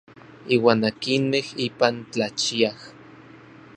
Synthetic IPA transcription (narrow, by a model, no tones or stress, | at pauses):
iːwaːnakinmehiːpant͡ɬat͡ʃiah